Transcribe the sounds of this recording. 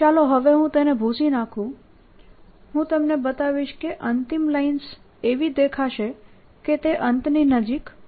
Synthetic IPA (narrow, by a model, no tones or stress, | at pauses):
t͡ʃaloɦəʋeɦũt̪enebʱusinakʰũ | ɦũt̪əmnebət̪aʋiʃkeʔənt̪imlains | eʋid̪ekʰaʃe | ket̪eʔənt̪ninəd͡ʒik